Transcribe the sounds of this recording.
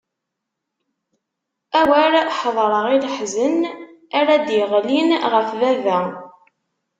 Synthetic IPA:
æwæɾħðˤɾˤəʁilħzənaɾæd̪jəʁlinʁəfvævæ

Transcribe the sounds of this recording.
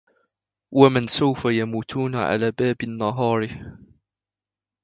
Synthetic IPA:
wamɪnsawfajamuːt̪ʰuːnaʕa̰laːbaːbɪnːɑɦɑːɾɪ

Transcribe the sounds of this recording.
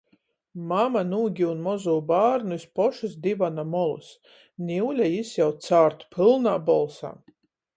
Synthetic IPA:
mamanuːɡʲiunmɔzuːbaːɾnuispɔʃusd̪ivanamɔlˠṵs | nʲiwlʲajisjawt̪saːɾt̪u̥pʲʰɨlˠnaːbɔlˠsa̰ː

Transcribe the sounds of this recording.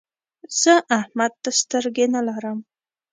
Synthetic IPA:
z̥əʔahmat̪ːast̪əɾɡʲenalaɾam

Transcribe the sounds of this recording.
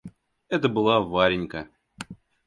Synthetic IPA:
ɛt̪əbɨlˠavaɾʲɪnʲkə

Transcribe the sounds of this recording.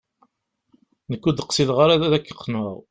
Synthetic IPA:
nəkːud̪əqsiðʁaɾaðæðækːə̥qʰːnəʁ

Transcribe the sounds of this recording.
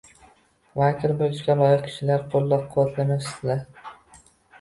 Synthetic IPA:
vakʲʰɪlbojɪʃɡʲalˠɒjɪq̚kʲʰɪ̥ʃɪlaɾqʰolˠːɒp̚qʰʊwat̪ʰlanapɪ̥st̪ɪlaɾ

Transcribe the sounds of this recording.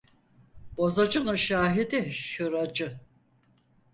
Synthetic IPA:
b̥azad͡ʒɯnɯʃaːɦid̪iʃɯɾad͡ʒɯ

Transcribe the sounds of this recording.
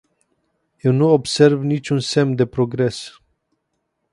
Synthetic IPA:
je̞wnuobse̞rvnit͡ʃʲunse̞md̪e̞pɾoɡɾe̞s

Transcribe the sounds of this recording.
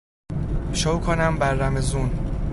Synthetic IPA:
ʃowkʰonæmbæɾːæmezuːn

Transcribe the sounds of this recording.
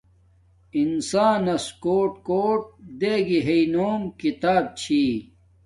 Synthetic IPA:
insaːnɐskoːʈkoːʈ̚d̪eːɡiɦeinoːmkit̪aːb̚t͡ɕʰiː

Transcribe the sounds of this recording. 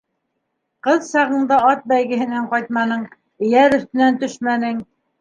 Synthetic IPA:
qɤðɕɑʁɤ̆nd̪ɑɑt̪̚bæjɡɘ̆ɦɘ̆næɴqɑjt̪̚mɑnɤɴ | ɘ̆jæɾɵ̆θt̪ɘ̆nænt̪ɵʃmænɘŋ

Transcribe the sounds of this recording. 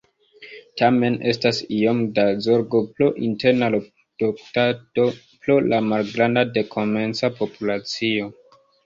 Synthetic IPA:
tame̞ne̞stasiomdazoɾɡo̞ploʔinte̞ɾnalo | d̥oktado̞ | plolamalɡɾandade̞kʰo̞me̞nt͡sapo̞pulat͡sio̞

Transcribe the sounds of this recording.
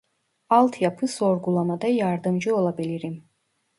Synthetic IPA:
alt̪ʰiapʰɨsɔɾɡulˠamad̪ajaːɾd̪amd͡ʒuɔlˠabɛliɾim

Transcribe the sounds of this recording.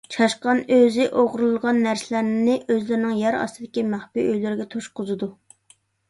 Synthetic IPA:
t͡ʃʰɑʃqɑnøzɪʔoʁɾulˠʁɑnːæɾsɪlæɾnɪʔøzlɪɾɪnɪŋjɛɾɑ̰st̪ɨd̪ɪkʲimæχbiøjlɪɾɪɡʲɛt̪ʰoʃqʊzɨd̪u

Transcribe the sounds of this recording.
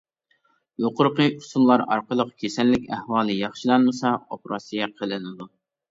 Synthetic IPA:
joqʊɾqəusunlˠɑɾɑ̰ɾqəlˠəqkʲʰesɛnːɪkʲæhwɑːlˠɨjɑχʃilˠɑnmɨsɑopɾʔɑsijɛqʰəlˠɨnɪd̪u

